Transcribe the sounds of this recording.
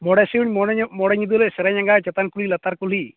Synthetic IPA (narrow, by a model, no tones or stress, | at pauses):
mɔɽɛsiwnmɔɽɛɲid̪ulɛsɛɾɛɲaŋɡat͡ʃɛt̪ankulilat̪aɾkuli